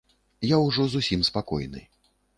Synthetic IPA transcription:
jawʐɔzusʲimspakɔ̰jnɨ̰

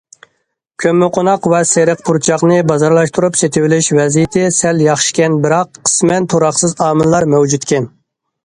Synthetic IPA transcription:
kʲʰømːɪqʰonɑqvɛseɾəqpʰuɾt͡ʃʰɑχnɨbɑzɑɾlˠɑʃt̪ʰuɾupset̪ʰɪwɪlɪʃvɛzijɪt̪ʰɪsɛljɑχʃi̥kʲɛnbɪɾɑqːʰə̥smɛnt̪ʰoɾɑχsɨzɑːmɨlˠlˠɑɾmɛwd͡ʒut̪kʲʰɛn

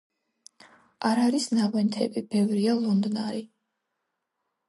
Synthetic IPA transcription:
ʔaɾaɾisnavɛnt̪ʰɛ̰bib̥ɛvɾialˠɔnd̪naɾi

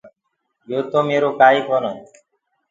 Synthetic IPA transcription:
jot̪omeɾokajkɔnɔ

